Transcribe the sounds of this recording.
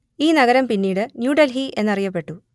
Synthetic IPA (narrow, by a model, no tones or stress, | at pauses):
iːnɐɣɐɾɐmpinːiːɽɨnjuːɖɐlɦiʔe̞nːɐrijɐpːe̞ʈːu